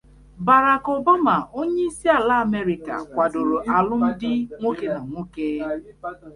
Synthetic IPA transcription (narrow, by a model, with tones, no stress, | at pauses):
ba˨ɾa˨kɔ˨ba˦ma˨ʔo˦ɲe˦i˦si˦a˨la˦a˨me˦ɾi˨ka̰˨kʷa˨do˨ɾo˨ʔa˨lʊ˦n̩˦dɪ˦ŋʷo˦ke˦na˨ŋʷo˦ke˦